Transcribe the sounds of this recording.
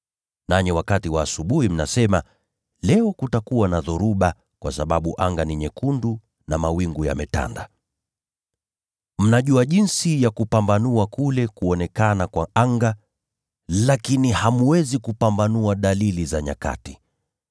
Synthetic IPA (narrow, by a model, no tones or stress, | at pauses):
naɲɛwakatiwaːsuɓuhim̩na̰sɛma | lɛɔkutakuwanaðuɾuɓa | kwasaɓaɓuʔaŋɡaniɲɛkundu | namawiŋɡuja̰mɛta̰nda | m̩naʄuaʄinsijakupambanuakulɛkuɔnɛkanakwaaŋɡa | lakinihamuwɛzikupambanuaɗalilizaɲa̰ka̰ti̥